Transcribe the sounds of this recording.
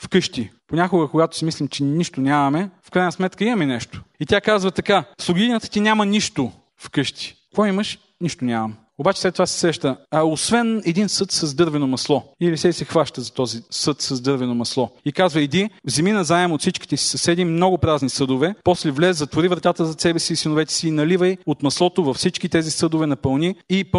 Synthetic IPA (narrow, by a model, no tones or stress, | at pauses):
fkɤʃt̪iponʲakʊɡəkoɡat̪o̥simislimt͡ʃɛniʃt̪onʲamɐmɛfkɾajnəsmɛt̪kəimɐmɛnɛʃt̪o̥it̪ʲakazvət̪ɐkaslˠoɡʲiinət̪ə̥t̪inʲamɐniʃt̪o | fkɤʃt̪i̥kɔjiməʃ | niʃt̪onʲamɐm | obat͡ʃɛ̥slɛt̪ːovasɛ̥sɾɛʃt̪əosvɛnɛd̪insɤt̪sɐzd̪ɤɾvɛnomɐslˠɔilisɛsɛxvaʃt̪əzɐt̪ɔzisɤt̪sɐzd̪ɤɾvɛnomɐslˠɔikazvɐid̪ivzɛminɐzaɛmot̪sit͡ʃki̥t̪ɛsi̥sɐsɛd̪imnɔɡʊpɾaznisɤd̪ovɛpɔslɛvlɛzzɐt̪voɾivɾɐt̪at̪əzɐsɛbɛsiːsinovɛt̪ɛ̥siːnɐlivəjot̪mɐslˠɔt̪ovɐfsit͡ʃkit̪ɛzisɤd̪ʊvɛnɐpɐlˠniːp